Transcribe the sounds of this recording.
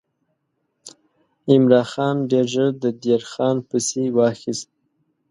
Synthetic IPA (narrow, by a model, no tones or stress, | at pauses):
ɪmɾɑxɑnɖeɾʒəɾd̪əd̪eɾxɑnpəsewɑxist̪̚